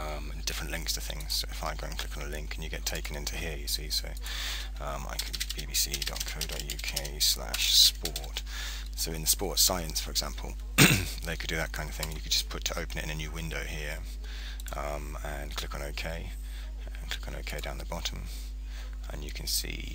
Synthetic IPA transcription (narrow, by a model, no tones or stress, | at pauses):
ʌ̃m | d̥ɪfɹə̃nʔlɪ̃ŋkstʰə̥θɪ̰̃ŋz̥soʊɨfãɪɡoʊ̃nkʰl̥ɪkn̩əlɪ̃ŋkʰɨ̃njɨɡɛtʰeɪkə̃nɪ̃ntʰʉhɪɹjɨsisoʊ | ʌ̃ma̰ɪkʰə̃nb̥ibisḭdɒ̰t̚kʰoʊɾɒ̰ʔjʉkʰeɪsla̰ʃspɔɹt | soʊɨ̃nspɔɹtsaɪə̃nsfə˞ɨɡzæ̃mpʰəlˠ | ðeɪkʰɨdɨðət̚kʰãɪ̃ndə̥v̥θɪ̃ŋə̃njɨkʰəd̚d͡ʒʌspʰʊtʰəʔəʊpənɪ̰tɪ̃nɨnjʉwɪ̃ndəʊhiɹ | ʌ̃ | m | ə̃nkʰl̥ɪkn̩oʊkʰeɪ | ə̃nkʰl̥ɪkn̩o̰ʊkʰeɪdãʊ̃nðəbɑɾə̃m | ə̰̃njɨkʰnsḭ